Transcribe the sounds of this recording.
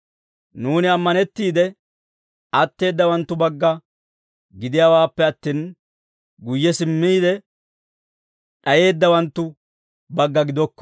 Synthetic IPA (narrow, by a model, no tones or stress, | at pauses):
nuːnɪɐmːɐnɛt̪ːiːd̪ɛ | ɐt̪ːe̞ːd̪ːɐwɐnt̪ːʊbɐɡːɐ | ɡɪd̪ɪjaːwaːpːɛɐt̪ːiːn | ɡʊjːɛsɪmːiːd̪ɛ | ɗɐje̞ːd̪ːɐwɐnt̪ːʊ | bɐɡːɐɡɪd̪ɔkːɔ̥